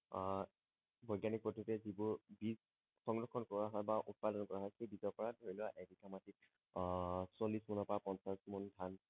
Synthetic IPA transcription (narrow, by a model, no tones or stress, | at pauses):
bɔjɡanik̚pɔtʰutɛzibʊɹbiz | xɔŋɡɹɔkʰːɔnkɔɹaɦɔjbaʔut̚padɔnkɔɹaɦɔjxejbizɔɹpɔɹadʱoɹilʊwaʔedikamati | solismunɔpɔapɔnsasmundʱan